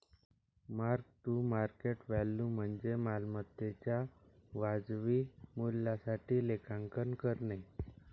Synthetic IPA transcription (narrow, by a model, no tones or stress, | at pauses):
maɾk̚t̪uːmaɾkeʈʋɛlːuːm̤əɳd͡zemalmət̪ːet͡ɕjaʋad͡zʋiːmulːasaʈiːlekʰãŋkənkəɾne